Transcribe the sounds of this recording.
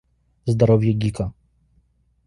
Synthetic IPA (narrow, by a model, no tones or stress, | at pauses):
zd̪aɾɔvʲjɛɡʲika